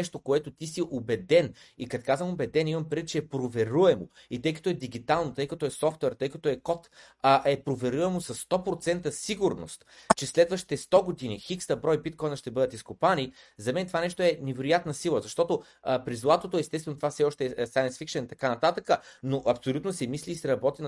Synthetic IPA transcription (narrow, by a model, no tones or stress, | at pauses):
ɛʃt̪okoɛt̪ot̪isiʔobɛd̪ɛn | ikɐk̪kazvəmobɛd̪ɛnimɐmpɾɛvit̪t͡ʃɛɛpɾovɛɾuɛmo̰ | it̪ɤjkɐ̥t̪ɔɛd̪iɡ̟it̪alˠnot̪ɤjkɐt̪ɔɛsɔft̪ɛɾt̪ɤjkɐt̪ɔɛkɔt̪ | əʔɛpɾovɛɾuɛmosɐsːt̪ɔpɾot̪sɛnt̪əsiɡʊɾno̰st̪t͡ʃɛslɛd̪vəʃt̪i̥t̪ɛst̪ɔɡod̪inixikst̪ɐbɾɔjbit̪̚kɔjnɐʃt̪ɛbɤd̪ət̪iskʊpani | zɐmɛnt̪ovanɛʃt̪oɛnɛvɛɾʊjat̪nəsilˠəzɐʃt̪ɔt̪o | pɾizlˠat̪ot̪oɛst̪ɛst̪vɛnot̪ovafsɛɔʃt̪ɛɛsajənsfikʃənt̪ɐkanɐt̪at̪əkənoʔɐpsolʲut̪nosɛmisliːsɛɾɐbɔt̪in